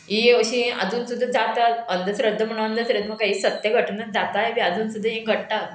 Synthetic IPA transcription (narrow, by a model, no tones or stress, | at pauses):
ĩəɕĩə̰d͡zuːnsud̪ʱːəd͡zat̪at̪ənd̪əsɾəd̪ʱːəm̤əɽ̃ũənd̪ʱəsɾəd̪ːəməkaisət̪jəɡʱəʈʰənad͡zat̪ajebiad͡zuːnsud̪ʱːəɦĩɡʱəɽʈat̪